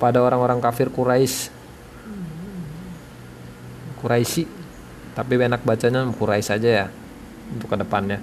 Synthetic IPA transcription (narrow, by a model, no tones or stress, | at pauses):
padaoɾaŋoɾaŋkafɪrkuɾaɪs | kuɾaisi | t̪apienak̚bat͡ʃaɲakuɾaɪsad͡ʒaja | unt̪ʊkːədəpanɲa